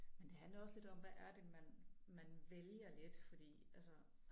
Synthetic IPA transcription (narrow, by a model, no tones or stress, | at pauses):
mend̥e̝ɦænlɐɒ̽sle̝d̥ɒ̽mʋæʔæɐd̥e̝mænmænʋeljɐle̝d̥fɒ̽d̥ḭːʔælsə